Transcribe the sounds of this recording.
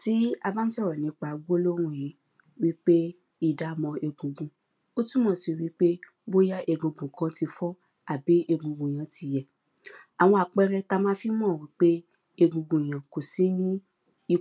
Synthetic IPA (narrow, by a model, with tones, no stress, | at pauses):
ti˦a˧ba˦n̩˦sɔ˦˨ɾɔ˨nĩ˨˦k͡pa˧˨ɡ͡bo˦lo˦ɾ̃ũ˧˨jĩ˨˦ | wi˦k͡pe˦ | i˦˨da˨˦mɔ̃˧e˧ɡũ˧ɡũ˨ | o˦tu˦mɔ̃˦˨si˧˨wi˦k͡pe˦ | bo˦ja˦ʔe˧ɡũ˧ɡũ˨kʰã˨˦ti˧fɔ˦ | a˨bi˨˦ʔe˧ɡũ˧ɡũ˨j̃ã˨˦ti˧jɛ˨ | a˨w̃ɔ̃˧a˨k͡pɛ˦ɾɛ˧ta˦mã˦fi˦mɔ̃˦˨wi˦k͡pe˦ | e˧ɡũ˧ɡũ˨j̃ã˨ko˨si˦nĩ˦ | i˧